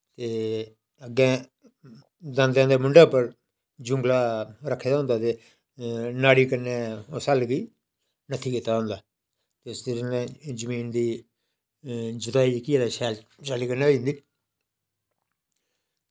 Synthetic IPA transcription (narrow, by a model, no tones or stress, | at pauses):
t̪eː | əɡɛ̃ː | d̪ãnd̪ãːd̪eːmʊɳɖaːpəɾ | d͡ʒʊ̃ŋɡlaːɾəkʰːeːd̪aːɦʊ̃nd̪aːt̪eː | naːɽiːkənːeːosalɡiː | nət̪ʰiːkit̪ːaːɦʊ̃ːnd̪aː | t̪esɾẽd͡ʒəmiːnd̪iː | d͡ʒʊd̪aːiːkɪjãːd̪aːʃɛːlt͡ʃaːliːkəɾneːoĩnd̪iː